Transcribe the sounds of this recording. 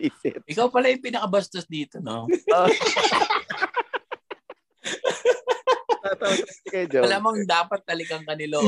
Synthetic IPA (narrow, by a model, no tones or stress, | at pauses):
isɪt̪ʔɪkawpɐlajʊpɪnɐkɐbɐst̪osd̪iːt̪ono̰o | t̪at̪aɐkɐd͡ʒolamɐŋd̪aːpɐt̪̚ːɐlɪɡaŋkɐnɪlo